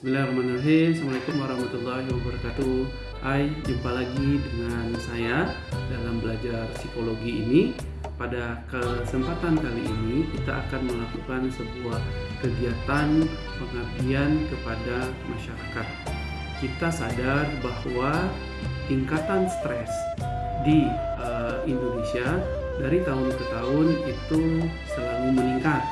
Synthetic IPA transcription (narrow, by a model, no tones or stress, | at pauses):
bilamanəɦesəmuaik̪umaɾɔhmat̪ulːahɦwabəɾakat̪u | ʔajimpalaɡidəŋansaja | dalambəlad͡ʒarsikoloɡḭːni | padakəsəmpat̪ankaliʔinikit̪a̰ʔa̰kanməlakukansəbuahkəɡiat̪an | pəŋatiankəpada | maʃaɾakat̪̚ | kit̪asadarbahwa | t̪iŋkat̪anst̪ɾɛsdiəindonesia | daɾit̪aɦʊnkət̪aʊnit̪u | səlaluməliŋka